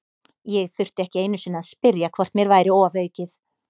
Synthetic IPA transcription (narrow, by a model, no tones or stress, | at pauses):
jɛɣθʏr̥t̪ɪɛhcɪeːjnʏsɪnːaðspɪɾjakʰvɔr̥t̪mjɛɾvaːjɾɪɔːvœːɥcɪθ